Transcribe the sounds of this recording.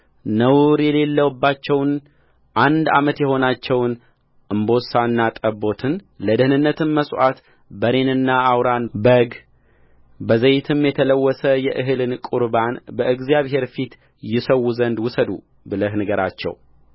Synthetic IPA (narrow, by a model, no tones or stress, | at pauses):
nəwɾjɛle̞lːəwbːat͡ʃːɛwn | ʔand̪a̰mət̪jɛho̞nat͡ʃːɛwn | ʔɨmbo̞sanːat̪ʼəbo̞t̪ʰɨn | ləd̪ɨhnɨnːət̪ʰɨnməsʼwʔat̪ | bəɾe̞nɨnːaːwɾanbəɡ | bəzəjt̪ʰɨmjɛt̪ʰələwːɔsəjɛʔɨɦɨlɨnkʼuɾbanbəʔɨɡzjaβhe̞ɾfit̪ | jɪsəwːuzənd̪wʊsəd̪u | bɨləɦnəɡəɾa̰t͡ʃːɛ̰w